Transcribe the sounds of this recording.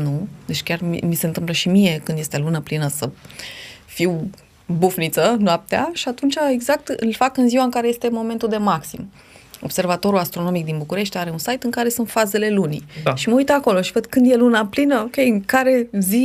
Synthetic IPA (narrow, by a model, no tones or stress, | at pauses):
nud̪e̞t͡ʃʲkʲarm̰mise̞nt̪ɨmpləʃimije̞kɨnd̪jet̪e̞lunəplinəsə | fiw | bufnit̪sənoap̚t̪ea̰ʃiat̪unt͡ʃae̞ɡzak̚t̪ɨlfakɨnziwaɨŋkaɾe̞je̞st̪e̞mo̞me̞nt̪uld̪e̞maksim | o̞̰b̥se̞rvat̪o̞ɾulast̪ɾo̞no̞mik̚d̪inbukuɾe̞ʃt̪ʲaɾe̞unsajt̪ɨŋkaɾe̞sunt̪faze̞le̞lunḭʃiməujt̪əako̞lo̞ʃivəd̪kɨnd̪je̞lunaplinəokʲe̞jɨŋkaɾe̞zi